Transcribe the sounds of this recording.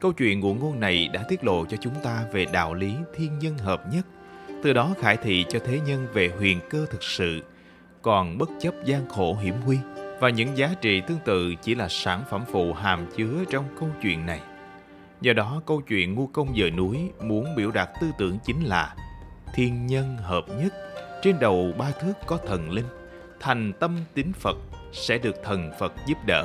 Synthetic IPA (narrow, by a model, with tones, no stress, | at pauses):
kə˧wt͡ɕwḭ˧˨ənṵ˧˩əŋo˧nːa˨˩jɗa̰ː˧˥t̪wi˦˥ət̚lo̰˧˨t͡ɕɔ˧t͡ɕʊ˨˦ŋ͡mt̪aː˧ve˨˩ɗa̰ː˧˨wli˨˦t̪ʰi˧ənɲə˧nɦəː˨˩p̚ɲə˦˥t̚ | t̪ɨ˨˩ɗɔ˨˦xaː˧˩jt̪ʰḭ˧˨t͡ɕɔ˧t̪ʰe˨˦ɲə˧nve˨˩ɦwḭ˧˨˩ənkəː˧t̪ʰɨ˨˩k̚sɨ̰˧˨ | kɔ˨˩nɓə˦˥t̚t͡ɕə˦˥p̚zaː˧ŋxo˧˩ɦḭ˧˩əmɦwi˧vaː˨˩ɲɨ̰˧˥ŋzaː˨˦t͡ɕḭ˧˨t̪ɨ˧əŋt̪ɨ̰˧˨t͡ɕi˧˩laː˨˩saː˧˩nfə˧˩mfṵ˧˨ɦaː˨˩mt͡ɕɨ˨˦ət͡ɕɔ˧wŋ͡mkə˧wt͡ɕwḭ˧˨ənːa˨˩j | zɔ˧ɗɔ˨˦kə˧wt͡ɕwḭ˧˨ənŋu˧kə˧wŋ͡mzə̰ː˧˨jnu˨˦əjmu˨˦ənɓḭ˧˩əwɗa˨˩t̚t̪ɨ˧t̪ɨ̰˧˩əŋt͡ɕï˨˦ŋ̟laː˨˩t̪ʰi˧ənɲə˧nɦəː˨˩p̚ɲə˦˥t̚t͡ɕe˧nɗə˨˩wɓaː˧t̪ʰɨ˦˥əkːɔ˨˦t̪ʰə˨˩nli˧ŋ̟ | t̪ʰa˨˩jŋ̟t̪ə˧mt̪ï˨˦ŋ̟fə˨˩t̚sɛ̰˧˥ɗɨ˨˩ək̚t̪ʰə˨˩nfə˨˩t̚zu˦˥p̚ɗə̰ː˧˨